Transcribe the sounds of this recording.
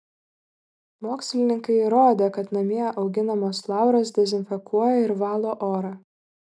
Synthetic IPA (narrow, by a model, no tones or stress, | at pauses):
moːksʲlʲɪnʲɪŋkɐɪɾoːd̪ʲeːkɐt̪nɐmʲiɛʔɐʊɡʲɪnɐmoːslˠɑˑʊɾoːs̬d̪ʲɛzʲɪnʲfʲɛkuɔjɛɪɾʋɑːlˠoːʔoːɾɑː